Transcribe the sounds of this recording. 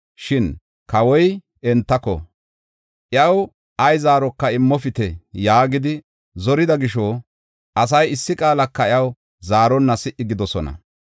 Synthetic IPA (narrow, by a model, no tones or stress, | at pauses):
ʃɪn | kɐwɔj | ɛnt̪ːɐkɔ̰ | ʔɪɐw | ʔɐjzaːɾɔkːɐɪmːɔfɪt̪ɛjaːɡɪd̪ɪ | zɔɾɪd̪ɐɡɪʃɔː | ʔɐs̬ɐjɪsːɪkʼaːlɐkːɐɪɐw | zaːɾɔnːɐsɪʔːɪɡɪd̪ɔsɔnɐ̰